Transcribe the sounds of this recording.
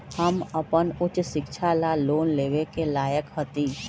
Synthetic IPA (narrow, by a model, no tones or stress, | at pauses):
həməpənʊt͡ʃʃɪkʃʰalaloːnleːʋekelaːjəkɦət̪iː